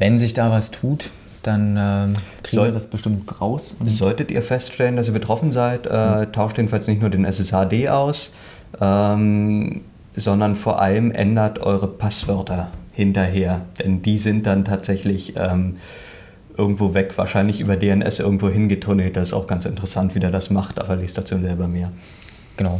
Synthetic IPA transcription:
vɛnzɪçd̥aːvastʰuːt | d̥anɛːkziɔdasb̥əʃtɪmtɡ̥ʁaʊszɔltətḭːɐfɛstʃtɛləndasiːɐbətʁ̥ɔfn̩zaɪtʔɛtʰːaʊʃtjeːdn̩falsnɪçtnuːɐdeːnʔɛsɛsaːdeːʔaʊs | ʔɛm | zɔndɐnfoːɐʔa̰ləmʔɛ̰ndɐtʔɔ̰ʏʁəpʰasv̥œɐtʰɐhɪntɐɦeːɐd̥ɛndiːzɪnt̚d̥antʰaːtz̥ɛçlɪçʔɛːm | ʔɪɐɡŋ̩tv̥oːvɛkv̥a̰ːɐʃaɪnlɪçʔyːbɐdeːɛnʔɛ̰sʔɪ̰ɐɡŋ̩tv̥oːɦɪnɡətʰʊnəlt̚d̥asɪstaʊxɡ̥ansɪntəʁəsantv̥iːdeːɐdasmaχtʔa̰ːbɐleːstd̥aːt͡suːnzɛːlbamiːɐ | ɡ̥ənaʊ

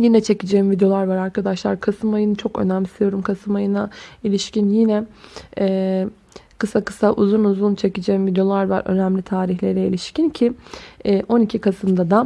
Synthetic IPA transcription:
jinɛt͡ʃʰe̞cid͡ʒeimvid̪jo̞lˠaɾvaɾaɾkad̪aʃlˠaɾkʰasɯmajɯnɯt͡ʃʰo̞kø̰næmlʲisijo̞ɾumkʰasɯmajɯnailʲiʃcinjinɛɛː | kʰɯsakɯ̥saʔuzunuzunt͡ʃʰe̞cid͡ʒeːimvid̪jo̞lˠaɾva̰ɾʔø̞̰næmlʲit̪ʰaːɾiçlʲe̞ɾɛilʲiʃcincʰi | ʔo̞nicʰikʰasɯmd̪ad̪a

